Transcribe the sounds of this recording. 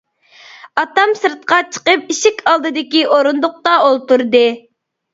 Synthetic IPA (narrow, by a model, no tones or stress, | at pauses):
ɑt̪ɑmsɨɾt̪̚qɑt͡ʃʰə̥qəp̚iʃikʲʰɑlˠd̪ɨd̪ɪkʲiʔoɾund̪ʊq̚t̪ɑolˠt̪uɾd̪ɨ